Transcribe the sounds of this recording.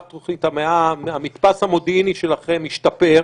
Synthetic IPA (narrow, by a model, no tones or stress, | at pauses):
t̪ʁuχimt̪ameamamit̪pashamodiniʃe̞laχe̞miʃtape̞